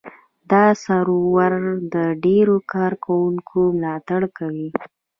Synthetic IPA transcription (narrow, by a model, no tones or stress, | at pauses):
d̪ɑsaɾowaɾd̪əɖeɾokɑɾkʰawuŋkʰomlɑt̪aɽkawi